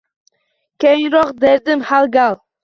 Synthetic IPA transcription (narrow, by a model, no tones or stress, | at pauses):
kʲʰejɪŋɾɒqd̪eɾd̪ɪmhalˠɡʲalˠ